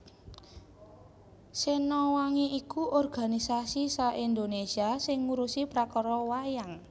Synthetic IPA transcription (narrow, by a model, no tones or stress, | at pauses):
senɔwaŋiʔikuʔɔrɡ̥a̤nisasisaʔind̪onesiasɪŋːuɾusipɾakɔɾɔwajaŋ